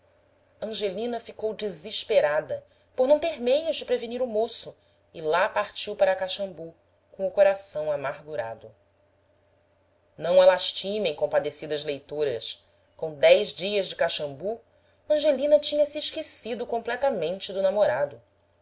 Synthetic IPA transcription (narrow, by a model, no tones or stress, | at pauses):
ɐ̃ʒelĩnɐfikowd͡ʒiziʃpeɾad̪ɐ | poɾnɐ̃w̃t̪eɾmejʊzd͡ʒɪpɾeveniɾʊmosʊ | ɪlapaɾt͡ʃiwpaɾɐkaʃɐ̃mbu | kõʊkoɾasɐ̃w̃amaɾɡuɾa̰d̪ʊ | nɐ̃w̃alaʃt͡ʃimẽj̃kõpad̪esid̪ɐzlejt̪oɾɐs | kõw̃d̪ɛjzd͡ʒiɐzd͡ʒɪkaʃɐ̃mbu | ɐ̃ʒelĩnɐt͡ʃĩɲɐsɪːʃkesid̪ʊkõplɛt̪ɐmẽnt͡ʃɪd̪ʊnamoɾad̪ʊ